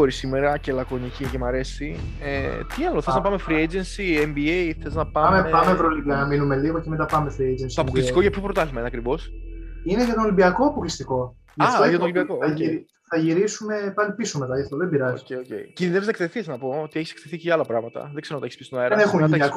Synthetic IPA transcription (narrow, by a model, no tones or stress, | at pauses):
xoɾisimeɾɐce̞lɐko̞nicicemɐɾe̞si | et̪iɐloθeznɐpɐmefɾied͡ʒensiembiejθeznɐpɐmeepɐmevɾoliɐnɐminume̞liɣoceme̞t̪̬ɐpɐmefɾied͡ʒensit̪oɐpoklissiko̞ʝɐpçopɾot̪ɐθimɐineɐkɾivo̞sineʝɐt̪onolimbiɐkoɐpoklist̪iko̞ | ʝɐt̪oʝɐt̪onolimbiɐkoɐi | θɐʝiɾisume̞pɐlipisomet̪ɐɐft̪oðebiɾɐzioejocḛicinðineviznɐekt̪eθiznɐpo̞ot̪ie̞çise̥k̚t̪eθiceɐlɐpɾɐɣmɐt̪ɐ̰ðe̞ɡzeont̪ɐeçispist̪onɐeɾenexumɐt̪iɐ